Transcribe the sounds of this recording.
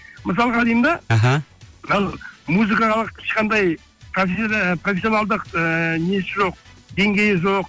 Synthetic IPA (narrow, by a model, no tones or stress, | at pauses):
məs̬ɑlˠʁɑːlˠijmd̪ɑɦɑlˠmuzɨkɑlˠəqʰɪ̥ʃqɑnd̪ɑj | profprofʲesʲjo̞nɑlˠd̪əqəne̞sɪʒo̞q̚d̪e̞ŋɡʲe̞jɪʒo̞q